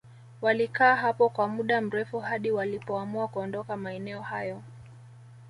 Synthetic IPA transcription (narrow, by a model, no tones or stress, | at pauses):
walikaːɦapɔkwamuɗam̩ɾɛfuhaɗiwalipɔamuakuɔndɔkamaɛnɛɔhajɔ